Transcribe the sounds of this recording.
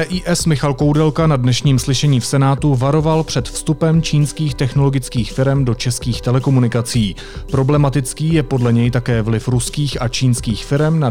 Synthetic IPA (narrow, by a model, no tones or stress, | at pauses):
ɛːʔiːʔɛsmɪxalko̞wdɛlkanadnɛʃɲiːmslɪʃɛɲiːfsɛnaːt̪uvaɾo̞valpr̥ɛt̪fst̪upɛmt͡ʃiːnskiːxt̪ɛxno̞lo̞ɡɪt͡skiːxfɪɾɛmdo̞t͡ʃɛskiːxt̪ɛlɛko̞munɪkat͡siː | pɾo̞blɛmat̪ɪt͡skiːjɛpo̞dlɛɲɛjt̪akɛːvlɪfɾuskiːxʔat͡ʃiːnskiːxfɪɾɛmna